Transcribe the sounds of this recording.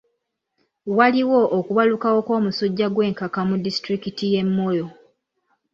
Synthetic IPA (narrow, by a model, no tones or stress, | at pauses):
waliwo̞ʔokuβalukawo̞ko̞ːmusoɟːaɡwe̞ːŋkakamudːistɾikitije̞mːo̞jo̞